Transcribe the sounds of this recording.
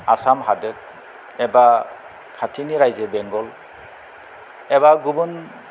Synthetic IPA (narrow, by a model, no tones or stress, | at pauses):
asamɦadɯt̚ | ɛba | kʰatʰiniɾajzebɛŋɡɔl | ɛbaɡubun